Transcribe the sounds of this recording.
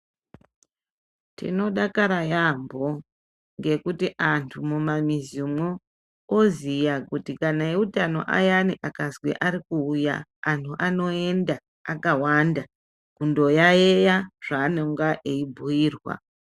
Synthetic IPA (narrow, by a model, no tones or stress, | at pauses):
tḭno̞ɗakaɾajambʱo̞ | ŋɡe̞kutiʔantʰumumamizimwu | ozijakutikanaeutano̞̰ʔa̰janiʔakazwḛʔaɾikuːja̰ːntʰuʔano̞e̞ndaː | kawanda | kundo̞jajejaʐ̥aːnoŋɡaʔeibʱujiːrwa̰